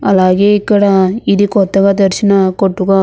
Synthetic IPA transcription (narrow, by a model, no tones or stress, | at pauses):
ɐlaːɡeikːɐɽɐid̪ikɔt̪ːɐɡɐd̪ɐɾʃinɐkoʈːuɡɐ